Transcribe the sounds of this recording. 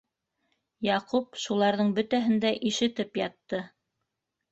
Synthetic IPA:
jɑqup̚ʃulˠɑɾðɤɴbɵ̆t̪æɦɘ̆nd̪æʔiʃɘ̆t̪ɘpjɑt̪ːɤ

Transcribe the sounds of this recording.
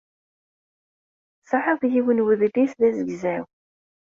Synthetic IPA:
sˤəħəθjiwənwəðlisðæzəɡzæw

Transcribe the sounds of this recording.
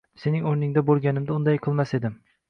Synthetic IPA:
se̞nɪŋoɾnɪŋd̪abolˠɡʲanɪmd̪aʊnd̪ajqʰɨlˠmase̞d̪ɪm

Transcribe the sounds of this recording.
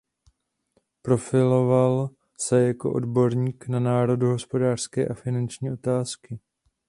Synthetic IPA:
pɾo̞fɪlo̞val | sɛjako̞̰ʔo̞̰dbo̞ɾɲiːknanaːɾo̞duɦo̞spo̞daːr̥skɛ̰ːʔafɪnant͡ʃɲiːʔo̞t̪aːskɪ

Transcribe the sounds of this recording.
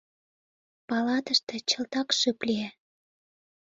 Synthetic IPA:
pɑlɑt̪əʃt̪ĕt͡ɕə̆lt̪ɑkʃɨplʲie

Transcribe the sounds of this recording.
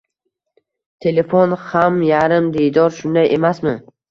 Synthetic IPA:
t̪ʰe̞lefonhamjaɾɪmd̪ejd̪ɒɾʃʊnd̪ajʔemasmɪ

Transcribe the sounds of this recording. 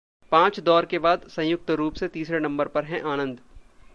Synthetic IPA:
pãːt͡ʃd̪ɔːɾkebaːd̪sɐ̃j̃jʊk̚t̪ɾuːpset̪iːsɾenɐ̃mbəɾpɐɾɦɛ̃ʔaːnə̃nd̪

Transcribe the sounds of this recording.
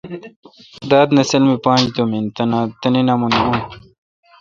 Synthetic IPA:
d̪aːd̪nɐsɐlmipãːnd͡ʑd̪omint̪ɐnãːt̪ɐninamuniun

